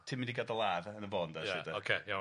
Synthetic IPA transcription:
tʰɪmɪndiɡadəlˠaːvənəbɔndajsɪdəokʰeja

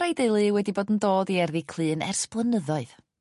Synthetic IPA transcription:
ajdelˠɨwɛdiboːdn̩doːdiɛrðikʰl̥ˠɨːnɛ̰rsplˠənəðɔɨð̥

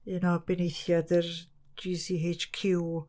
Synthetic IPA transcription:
ɨnɔbɛnejθjadər | d͡ʒiːsiːejt͡ʃkʰɪw

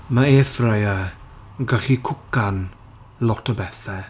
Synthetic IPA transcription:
maeːfrəja | ɡaɬikʰʊkan | lɔtʰəbɛθɛ

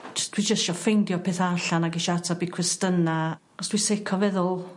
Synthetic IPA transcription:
d͡ʒəstʰwid͡ʒəstʃɔfejndjɔpʰeːθaɬanaɡɪʃɔatʰabikʰrɪstəna | ɔstʰwisekʰɔvɛðʊlˠ

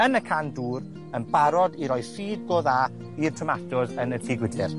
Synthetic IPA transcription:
ənəkʰanduːr | ənbaɾɔdiɾɔjðsiːd̚ɡoːða | irtʰɔmatʰɔðənəfʰiːɡwɪdɪr

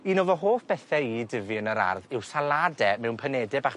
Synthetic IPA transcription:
inoːvɔɦoːfb̥ɛθɛidəvɪənəɾa̰rðɪwsalˠadɛmɛwnpʰənɛdɛbaχ

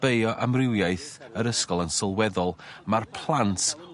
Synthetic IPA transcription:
b̥ejɔʔamrɪwjaɨθəɾəskɔlˠənsɔlˠwɛðɔlˠmarpʰlˠantʰ

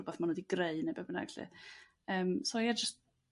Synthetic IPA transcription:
ʊbɛθmanədiɡreɨnebɛbəna̰ɡaɬḭ | əːmsɔjad͡ʒəst

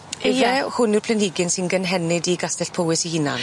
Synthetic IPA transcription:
ɛvɛhʊnirpʰlənɪɡɪnsɪnɡənɦɛnɪdiɡastɛɬpʰowɪsihɪna̰n

